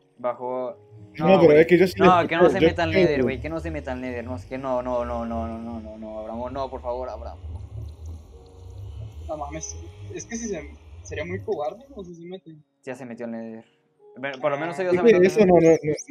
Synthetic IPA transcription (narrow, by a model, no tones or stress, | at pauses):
baxo | noppeɾoeked͡ʒosinleokenseoet̪alneðiɾwekenosemet̪alneðiɾnoskenonononononononoaβɾamonopoɾfaβoɾaβɾa̰moo | nomameseskes̬is̬eseɾiamujkoɣaɾðekoos̬is̬emet̪e | jasemet̪joalneðiɾ | bepoɾlomenosejoaseeesononono